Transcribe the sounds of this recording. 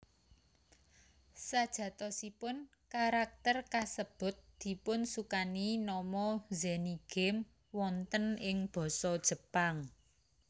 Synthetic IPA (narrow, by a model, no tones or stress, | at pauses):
sad̥ʒ̥ä̤t̪ɔsipʊn | kaɾak̚t̪ərkasəb̥ʊ̤t̪̚d̪̥i̤pʊnsukaninɔmɔzɛniɡ̥ɛm | wɔnt̪ənɪŋb̥ɔ̤sɔd̥ʒ̥ə̤paŋ